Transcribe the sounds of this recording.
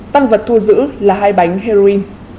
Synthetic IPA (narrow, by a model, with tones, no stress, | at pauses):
t̪aː˧ŋvə˨˩t̚t̪ʰu˧zɨ̰˧˥laː˨˩ɦaː˧jɓa˨˦jŋ̟ɦe˧ɾo˧i˧n